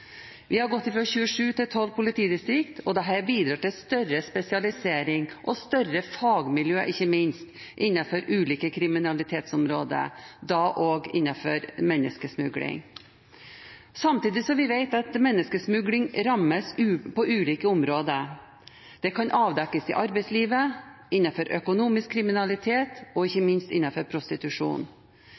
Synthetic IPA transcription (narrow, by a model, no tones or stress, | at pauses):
ʋʔɪhɑɾɡɔt̪ːɪfɾɔçʉːəʂʉːt̪ɪt̪ʰɔlːpʊlɪt̪ʰiːd̪ɪst̪ɾɪkt̪ɔd̪ɛɦæːɾbiːd̪ɾɑːt̪ɪlst̪œɾəspɛsɪɑlɪseːɾɪŋʔɔst̪œɾəfɑːɡmɪljøːʔɪçːəmɪnst̪ | ʔɪnːɑfɔɾʔʉːliːkəkʰɾɪmɪnɑlɪt̪ʰeːt̪sɔmɾoːd̪ə̰d̪ɑːʔoːɡɪ̰nːɑfɔɾmɛnːəskəsmʉɡlɪ̰ŋ | sɑmt̪iːd̪ɪsɔʋɪʋeɪt̪ɑt̪mɛnːəskəsmʉɡlɪŋɾɑmːəsʉpɔʔʉːliːkəʊmɾoːd̪ə | d̪̥ɛkʰɑnʔɑːʋd̪ɛkːəsɪ̰ʔɑɾbɛɪsliːʋə | ɪnːɑfɔɾʔœkʊnuːmɪskʰːɾɪmɪnɑlɪt̪ʰeːt̪ɔɪçːəmɪnst̪ɪnːɑfɔɾpʰɾʊst̪ɪt̪ʉʂṵːn